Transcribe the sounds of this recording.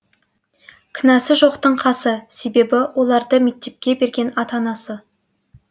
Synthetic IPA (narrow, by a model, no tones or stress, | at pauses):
kʲʰɪnɑsɪʒo̞qt̪əɴqʰɑsəse̞be̞bɪwʔo̞lˠɑɾd̪əme̞k̚t̪e̞p̚kʲe̞be̞ɾɡʲe̞nɑt̪ɑnɑsə